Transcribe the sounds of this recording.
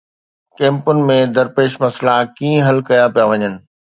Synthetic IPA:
kɛ̃ːmpʊnɪ̆mẽd̪ɐɾpeːʃmɐslakiːə̃ɦɐlkɐjapijaʋɐɲənɪ̆

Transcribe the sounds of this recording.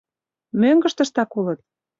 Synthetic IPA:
møŋɡə̆ʃt̪ə̆ʃt̪ɑkulə̆t̪̚

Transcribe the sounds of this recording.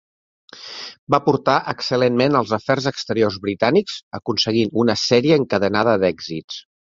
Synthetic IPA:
bapuɾt̪aʔəksəlenmenəlˠzəfɛrzəkst̪əɾiorzβɾit̪anikz̥əkunsəɣinunəsɛɾiəːŋkəðənað̞əd̪ɛɡzitt͡s

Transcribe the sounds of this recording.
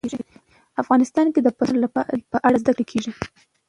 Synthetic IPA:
ʒi | afɣɑnɪst̪ɑnked̪əpanlpəʔaɽazd̪akɽekʰeʐi

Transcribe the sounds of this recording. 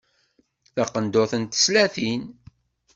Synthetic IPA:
θæqːənd̪oθənt̪ə̥slæθin

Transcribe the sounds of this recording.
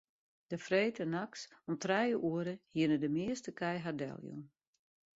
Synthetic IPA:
d̥əfreːtənaksɔmtrɛjəʔuəɾəhiənədəmɪəstəkʰɛjɦardɛ̰lˠjṵm

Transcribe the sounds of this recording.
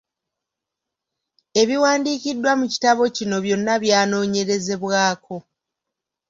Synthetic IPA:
e̞βiwaːndiːcidːwamuci̥taβo̞cino̞βjo̞nːaβjaːno̞ːɲe̞ɾe̞ze̞βwaːkʰo̞

